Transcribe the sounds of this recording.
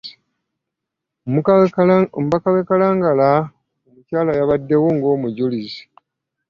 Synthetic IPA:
mβakaβekalaːŋɡala | umucaːlajaβadːe̞wo̞ŋɡo̞ːmuɟulizi̥

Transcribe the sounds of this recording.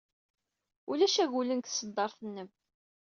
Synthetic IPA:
ulæʃæʝulənkθsːəd̪ːɑɾˤθənːəm

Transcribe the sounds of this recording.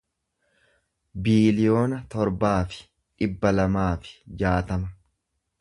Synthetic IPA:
biːlɪjo̞ːnɐt̪ɔɾbaːfɪ̥ | ᶑɪbːɐlɐmaːfɪ̥d͡ʒaːt̪ɐmɐ

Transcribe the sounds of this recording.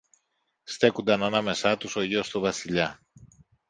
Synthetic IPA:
st̪e̞kund̪ɐnɐnɐme̞sɐt̪uso̞ʝio̞st̪uvɐsiʎɐ

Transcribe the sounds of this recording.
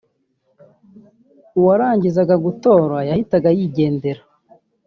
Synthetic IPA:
uwaɾaːɲɟizaɡaɡuto̞ːɾwajahitaɡajiɟe̞ːnde̞ɾa

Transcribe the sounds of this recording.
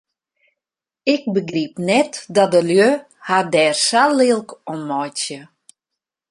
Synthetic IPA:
ɪk̚bəɡripnɛtdɔdəljø | hadɛːrsalˠiəlˠkʰonmɔjtjə

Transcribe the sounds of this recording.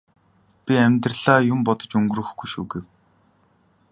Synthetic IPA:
pʲiæmʲt̪rə̆ɮaːjʊmpɔt̪ɞ̥̆t͡ɕɵŋɡrɾɵ̆xɡujʃṵːɡew

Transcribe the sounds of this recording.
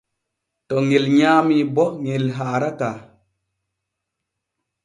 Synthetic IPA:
tɔŋelɲaːmibɔŋelɦaːɾaka

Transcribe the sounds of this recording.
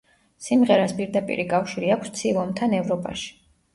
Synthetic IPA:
simʁɛɾaspʼiɾd̪apʼḭɾikʼafʃiɾiakʷʰst̪sʰivˠɔmt̪ʰanɛvɾɔpʼa̰ʃi̥

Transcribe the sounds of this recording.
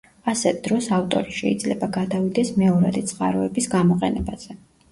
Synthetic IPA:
asɛt̪d̪ɾɔsaft̪ʼɔ̰ɾiʃɛ̰id̪zlɛbaɡad̪avid̪ɛsmɛɔɾa̰d̪it̪sʰʼqʼa̰ɾɔɛbisɡamɔqʼɛnɛbaz̥ɛ

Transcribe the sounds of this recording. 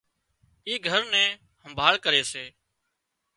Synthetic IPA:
iːɡʱəɾnɛ̃ː | həmbʱaːɭkəɾeːseː

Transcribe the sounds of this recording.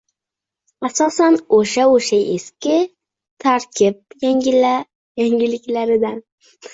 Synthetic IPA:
asɒsanoʃaoʃaʔeskʲɪ | t̪ʰaɾkʲʰɪp̚jaŋʲɪla | jaŋʲɪlɪkʲlaɾɪd̪an

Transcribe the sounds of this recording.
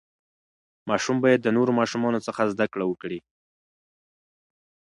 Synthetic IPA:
mɑʃumbɑjad̪ːənoɾomɑʃumɑnot͡səxazd̪akɽawəkɽi

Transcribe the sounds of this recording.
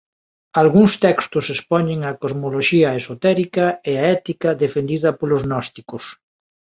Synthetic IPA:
alɣuŋst̪ɛkst̪ʊsespɔɲeŋɐkozmoloʃiɐesot̪ɛɾikɐeaɛt̪ikɐðefend̪iðɐpolʊznɔst̪ikʊs

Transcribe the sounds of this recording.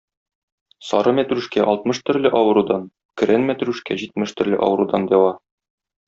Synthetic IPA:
sɒɾɤmæt̪ɾʉʃkæʔɒlˠt̪̚mɤʃt̪ɵ̆ɾlɘʔɒwɤ̆ɾud̪ɑn | kɘ̆ɾænmæt̪ɾʉʃkæʑit̪mɘʃt̪ɵ̆ɾlɘ̰ʔɒ̰wɤ̆ɾud̪ɑnd̪æwɑ

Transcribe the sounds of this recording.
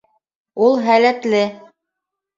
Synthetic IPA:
ulˠɦælæt̪lɘ

